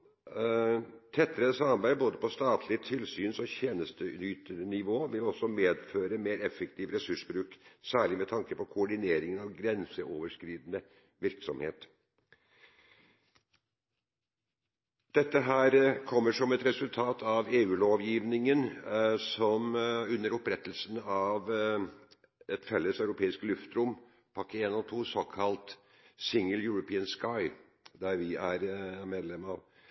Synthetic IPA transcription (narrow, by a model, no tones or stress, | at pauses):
t̪ʰɛt̪ːəɾəsɑmbæɪboːd̪əpɔst̪ɑːt̪ʰlɪət̪ʰɪlsyːnsɔçeːnəst̪ənyːt̪əɾnɪʋoːʋɪlɔsɔmeːd̪føːɾəmeːɾɛfːəkt̪ʰiːʋɾɛsʉʂbɾʉːksæːɭɪmɛt̪ʰɑŋkəpʰɔkʰʊɔɖɪneːɾɪŋənɑʋɡɾɛnsəʔoːʋəʂkɾiːd̪ənə | ʋɪɾksɔmhḛːt̪ | d̪̥ɛt̪ːəɦæːɾkʰɔmːəʂɔmɛt̪ɾɛsʉlt̪ʰɑːt̪ʰɑʋeːʉːloːʋjiːʋnɪŋənsɔmʉnːəɾɔpɾɛt̪ːəlsnɑʋ | ɛt̪fɛlːəsɑʉɾʊpʰeːɪskəlʉft̪ɾʊm | pʰɑkəeːnɔt̪ʰuːsɔkʰɑlt̪ | sɪŋəljʊɹʊpʰiːənskɑɪ | d̪æɾʋɪæɾmeːd̪lɛmɑʋ